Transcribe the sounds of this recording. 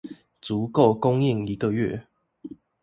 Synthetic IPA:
t͡su˨˦ko˥˨ʊkʊ˦ŋi˥˨ŋi˨˦ɡə˨ɥɛ̰˥˨

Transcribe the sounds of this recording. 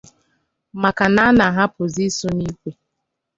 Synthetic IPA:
ma˨ka˨na˦na˨ɦa˦pʊ˨zi˦so˦ni˦kʷe˨

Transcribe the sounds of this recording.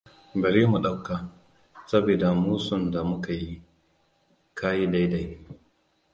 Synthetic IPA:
bɐ˨ɾiː˦mu˨ɗa˦wkaː˨ | sɐ˦bi˨da˨muː˦sʊ˦˨nda˨mʊ˦ka˨ji˦ | kaː˦ji˦da˦jda˦j

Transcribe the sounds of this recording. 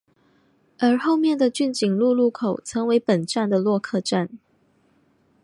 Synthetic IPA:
ə˞˧˥xo˥˧ʊmjɛ˥˩nd̪ə˨t͡ɕy˥˩nt͡ɕi˨˩ŋlu˥˧lu˥˩kʰo˨˩ʊt͡sʰɤ˧˥ŋwe˧˥ɪpə˨˩nʈ͡ʂa˥˩nd̪ə˩lwɔ˥˧kʰɤ˥˧ʈ͡ʂa˥˩n

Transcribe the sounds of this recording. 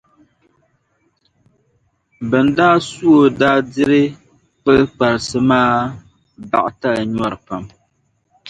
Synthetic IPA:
bɨ˨n˦daː˦su˦o˨daː˦dɪ˦ɾɨ˦ | k͡pɨ˦lk͡pa˨ɾɨ˨sɨ˨maː˦ | ba̰˨ʔa˨ta˦lɲɔ˦ɾɨ˨pa˨m

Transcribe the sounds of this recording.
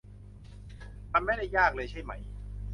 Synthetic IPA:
t̪ʰa˧mːa˥˩jda˥˩jːaː˥˩k̚lɤː˧jt͡ɕʰa˥˩jma˦˥j

